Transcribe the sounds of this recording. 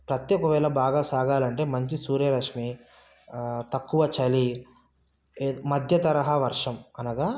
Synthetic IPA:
pɾɐt̪jɔkɐʋɛːɭɐbaːɡaːsaːɡaːlɐɳʈe̞ːmɐɲt͡ʃisuːɾjɐɾɐkʂmi | t̪ɐkːuʋɐt͡ʃɐli | mɐd̪ʱjɐt̪ɐɾɐɦɐʋɐɾʂɐmɐnɐɡaː

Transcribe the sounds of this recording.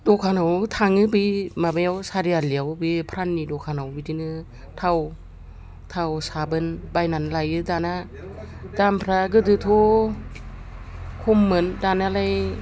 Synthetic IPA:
dɔkʰanawt̪ʰaŋɯbimabajawsaɾialiawbipʰɾanːidokʰanawbidinɯ | tʰaw | tʰawsabɯnbajnanlajɯdana | dampʰɾaɡɯdɯt̪ʰo | kʰomːɯndanalaj

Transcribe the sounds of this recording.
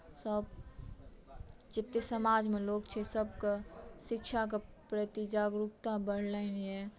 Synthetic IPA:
səb̚ | t͡ʃɪt̪ːjesəmaːd͡ʒmẽloːɡt͡ʃʰesəb̚kaʃɪkʃak̬e | pɾət̪id͡ʒaːɡɾup̚t̪abəɽ̤lənɦɛ

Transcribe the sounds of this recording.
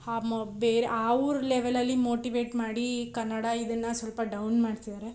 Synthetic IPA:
abeːɾeʔaːʋuɾleʋelɐlːimoːʈiʋeːʈmaːɽikɐnːɐɽɐid̪ɐnːɐsʋɐlpɐɖɐwnmaːɖt̪id̪aːɾe

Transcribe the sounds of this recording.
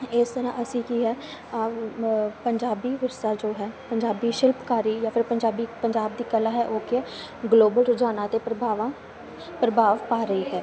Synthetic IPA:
ɪst̪əɾã̰ːʔəsĩːkiɦɛː | pəɲd͡ʒaːbiːʋɪɾsaːd͡ʒoːɦɛːpəɲd͡ʒaːbiːʃɪlpkaːɾiːjãːpʰɪɾpəɲd͡ʒaːbiːpəɲd͡ʒaːb̚d̪iːkəlaːɦɛːʔoːkɪ | ɡloːbəlɾʊd͡ʒaːnãːt̪eːpɾəbaːʋã | pɾəbʱaːʋpaːɾəiːɦɛː

